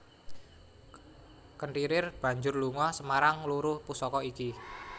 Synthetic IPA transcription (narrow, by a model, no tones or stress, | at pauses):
kəɳʈiɾɪrb̥ä̤ɲd͡ʒʊrluŋɔsəmaɾaŋluɾʊhpusɔkɔiki